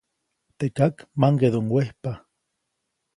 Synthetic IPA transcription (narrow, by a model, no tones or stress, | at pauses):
t̪ekakmaŋɡeðoŋwehpa